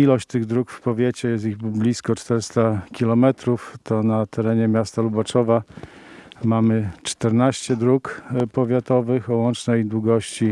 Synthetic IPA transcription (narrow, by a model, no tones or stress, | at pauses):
ilɔɕt͡ɕt̪ɘɣd̪ɾukfpɔvʲjet͡ɕɛjɛst̪iɣblʲiskɔt͡ʂt̪ɛɾɘst̪akʲilɔmɛt̪ɾuft̪ɔnat̪ʰɛɾɛɲɛmʲjast̪alubat͡ʂɔva | mamɘt͡ʂt̪ɛɾnaɕt͡ɕɛd̪ɾukpɔvʲjat̪ɔvɘxɔwɔnt͡ʂnɛjd̪wuɡɔɕt͡ɕi